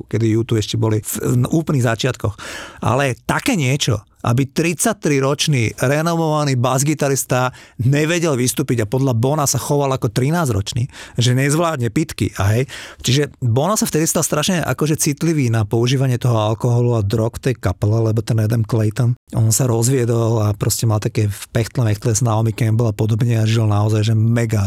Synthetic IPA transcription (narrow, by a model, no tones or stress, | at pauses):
kɛd̪ijut̪uɛʃcɛbɔlifʔuːplniɣzat͡ʃɪat̪kɔxʔa̰lɛt̪akɛːɲɪɛt͡ʃɔ̰ | ʔa̰bit̪ɾit͡sat̪ɾiɾɔt͡ʃniːɾɛnɔʋɔʋaniːbazɡit̪aɾist̪aɲɛʋɛɟɛlʋist̪uːpiɟapɔd̪ʎabɔnasaxɔʋalakɔt̪ɾinaːzɾɔ̰t͡ʃnḭːʒɛɲɛzʋlaːd̪ɲɛpit̪kḭʔaɦɛjt͡ʃiʒɛbɔnasaft̪ɛd̪ist̪alst̪ɾaʃɲɛʔa̰kɔʒɛt͡sit̪liʋiːnapɔuʒiːʋaɲɪɛt̪ɔɦɔalkɔɦɔluad̪ɾɔkft̪ɛjkapɛlɛlɛbɔt̪ɛnɛd̪ɛmklɛjt̪ɔnʔɔnsaɾɔzʋɪɛd̪ɔlapɾɔscɛmalt̪akɛːfpɛxt̪lɛmɛxt̪lɛsnaɔmikɛmbɔlapɔd̪ɔbɲɛaʒilnaɔzajʒɛmɛɡa